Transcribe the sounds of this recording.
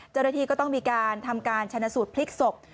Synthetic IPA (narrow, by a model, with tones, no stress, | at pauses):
t͡ɕa˥˩wna˧t̪ʰiː˧kɔː˥˩t̪ɔ˥˩ŋmiː˧kaː˧nt̪ʰa˧mkaː˧nt͡ɕʰa˧nːa˧˥suː˨˩t̪̚pʰli˦˥k̚so˨˩p̚